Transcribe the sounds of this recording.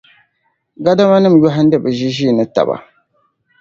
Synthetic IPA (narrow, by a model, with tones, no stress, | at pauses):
ɡa˦da˦ma˦nɨ˦m̩˨jɔ˦ɦa˦n̩˦dɛ˦bɨ˨ʒi˦ʒiː˦˨nɨ˦ta̰˨ba̰˨